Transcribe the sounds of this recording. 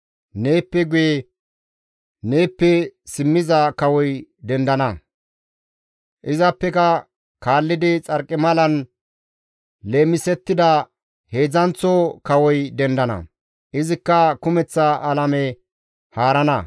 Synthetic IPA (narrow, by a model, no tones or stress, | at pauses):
ne̞ːpːɛɡʊje | ne̞ːpːɛsɪmːɪzɐkɐwɔjd̪ɛnd̪ɐnɐ | ʔɪzɐpːɛkɐ | kaːlːɪd̪ɪt͡sʼɐɾkʼːɪmɐlɐn | le̞ːmːɪsɛt̪ːɪd̪ɐ | he̞ːd͡zɐnt͡sːokɐwɔjd̪ɛnd̪ɐnɐ̰ | ʔɪzɪkːɐkʊmɛt͡sːɐʔɐlɐmɛ | haːɾɐnɐ̰